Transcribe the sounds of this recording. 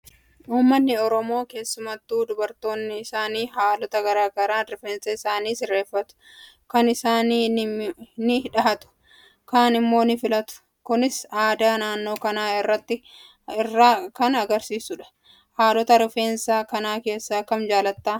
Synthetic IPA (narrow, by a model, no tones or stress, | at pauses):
ʔuːmːɐnːɪɔɾɔmo̞ːke̞ːsːʊmɐt̪ːuːd̪ʊbɐɾt̪o̞ːnːɪːsaːniːɦaːlɔt̪ɐɡɐɾaːɡɐɾaːfeːnsɐɪsaːniːsɪrːe̞ːfːɐt̪ʊ̥ | kɐnɪsaːniː | nɪɪᶑɐɦɐt̪ʊ̥ | kaːnɪmːo̞ːnɪfɪlɐt̪ʊ̥ | kʊnɪsaːd̪aːnaːnːo̞ːkɐnaːɪrːɐt̪ːɪ | ɪrːaːkɐnɐɡɐɾsiːsʊᶑɐ̥ | haːlɔt̪ɐɾɪfe̞ːnsaːkɐnaːke̞ːsːakːɐmd͡ʒaːlɐt̪ːaː